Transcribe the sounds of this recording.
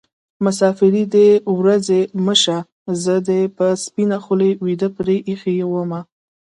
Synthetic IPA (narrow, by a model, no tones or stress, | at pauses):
mʊsɑfɪɾid̪əwɾazeməʃa | zəd̪epəspinaxulewid̪əpɾeʔixejewəma